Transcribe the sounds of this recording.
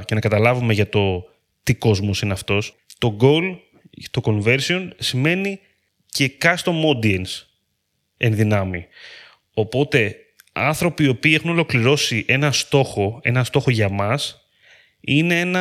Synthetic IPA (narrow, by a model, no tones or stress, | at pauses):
ce̞nɐkɐt̪ɐlɐvume̞ʝɐt̪o̞ | t̪iko̞zmo̞sineɐft̪o̞s | t̪o̞ɡo̞l | t̪o̞ko̞nve̞ɾsio̞nsime̞ni | ce̞kɐst̪o̞mo̞d̪iens | enðinɐmi | o̞po̞t̪e̞ | ɐ̰nθɾo̞piːo̞piːe̞xuno̞lo̞kliɾo̞siʔe̞nɐst̪o̞xo̞e̞̰nɐst̪o̞xo̞ʝɐmɐs | ine̞e̞nɐ